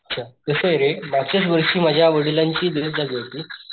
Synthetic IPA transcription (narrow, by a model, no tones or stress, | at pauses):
ətːt͡ɕʰat̪əsəjeɾemaɡt͡ɕas̬ʋəɾʂiːmad͡ʑʱjaʋəɽilaɲt͡ɕiːd̪ət̪d͡zaɡajt̪iː